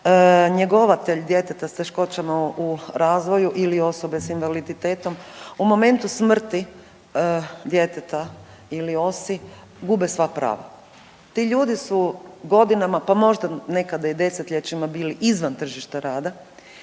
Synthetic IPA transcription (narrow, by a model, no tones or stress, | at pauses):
ɲeɡo̞ʋat̪eʎd̪je̞t̪et̪ast̪e̞ʃko̞t͡ɕamauɾaːzʋo̞juʔilio̞so̞besinʋalid̪it̪eːt̪o̞mumo̞me̞nt̪usmr̩t̪i | d̪je̞t̪et̪a | ilio̞si | ɡubesʋapɾa̰ːʋa̰ | t̪iʎuːd̪isuɡo̞d̪inamapamo̞ʒd̪ane̞kad̪aid̪e̞set̪ʎet͡ɕimabiːliʔizʋant̪r̩ʒiʃt̪aɾaːd̪a